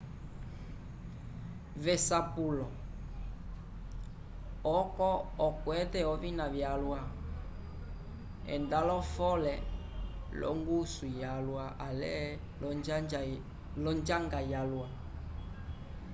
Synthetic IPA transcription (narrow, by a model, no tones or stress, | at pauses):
vɛsapulɔ | ɔkɔɔkwɛtɛɔvinaβjalwa | ɛ̰ndalɔfɔlɛ | lɔ̰ŋɡusujalwaʔalɛ̰ | lɔɲd͡ʒaŋɡajalwa